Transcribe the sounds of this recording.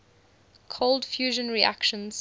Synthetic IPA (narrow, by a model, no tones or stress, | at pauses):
kʰoʊlˠdfjuːʒə̃nɹia̰kʃə̃nz̥